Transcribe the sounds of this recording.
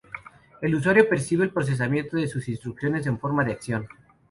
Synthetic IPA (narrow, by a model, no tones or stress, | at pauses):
e̞lus̬waɾjo̞pe̞ɾsiβeːlpɾos̬e̞s̬amjẽ̞nt̪oðesusinst̪ɾuksjo̞ne̞s̬e̞ɱfo̞ɾmaðeaksjo̞n